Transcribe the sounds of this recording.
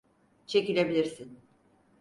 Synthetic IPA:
t͡ʃʰe̞cilʲe̞bilʲiɾsin

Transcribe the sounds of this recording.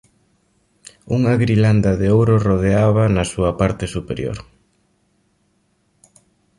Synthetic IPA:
uŋaɣɾiland̪ɐaðeowɾoroðeaβanɐsuɐpaɾt̪ɪsupeɾjo̰ɾ

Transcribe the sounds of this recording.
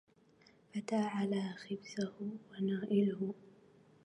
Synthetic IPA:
ʔat̪aːʕalaːxɪbsahʊwanaːʔɪlʊhʊ

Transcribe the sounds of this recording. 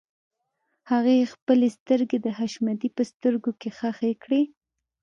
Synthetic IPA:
haɣexpəlest̪əɾɡed̪əɦaʃmad̪ipəst̪əɾɡokexaxekɽe

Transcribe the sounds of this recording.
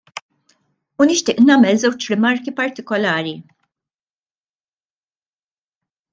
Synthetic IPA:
unɪʃt̪ɪːʔnɐːmɛlzɛwt͡ʃɾɪmɐɾkipɐɾt̪ɪkɔlɐːɾi

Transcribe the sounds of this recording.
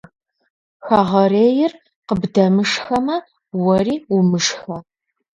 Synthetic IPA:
xɐʁɐreːjɪr | qəbdɐmɨʂxɐmɐ | wɐriːumɨʂxɐ

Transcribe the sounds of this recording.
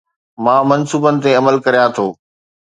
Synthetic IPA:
mãːmɐnsuːbənɪ̆t̪̬eɐməlkɐɾijãt̪ʰoː

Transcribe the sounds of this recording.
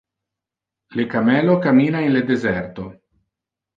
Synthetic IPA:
lekamelokamiːnaenled̪ezeɾt̪o

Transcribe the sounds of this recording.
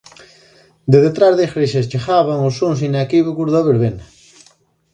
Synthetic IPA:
d̪eðet̪ɾazðesɾeʃest͡ʃexaβaŋosons̬inakiβukuɾðoβeɾβenɐ

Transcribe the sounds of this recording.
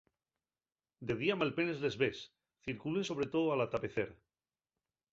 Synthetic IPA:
d̪e̞ðiamalpe̞ne̞zle̞zβe̞s | θiɾkulenso̞β̞ɾe̞t̪o̞ðoalat̪ape̞θeɾ

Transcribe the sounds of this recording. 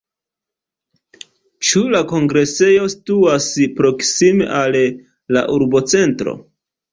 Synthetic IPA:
t͡ʃulako̞ŋɡɾe̞se̞jo̞si̥tuaspɾo̞ksimḛʔalː | a̰ʔuɾbo̞t͡se̞ntɾo̞̰

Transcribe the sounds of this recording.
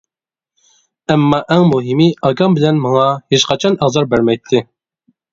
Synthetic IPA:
ɛmːɑːʔɛŋmuɦimiɑɡɑmbɪlɛnmɑŋɑheʃqɑt͡ʃʰɑnæʁzɑɾbæɾmɛjt̪ʰːɪ

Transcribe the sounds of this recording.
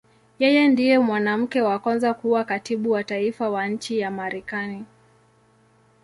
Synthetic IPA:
jɛjɛndijɛmwanam̩kɛwakwanzakuwakatiɓuwataifawaɲ̩t͡ʃijamaɾʔɛkani

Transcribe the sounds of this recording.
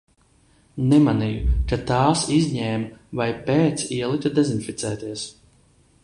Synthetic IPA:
nɛmanijukat̪aːsizʲɲɛːmvajpɛːt̪siɛlˠit̪ʲud̪ɛzinfit̪sɛːt̪iɛs

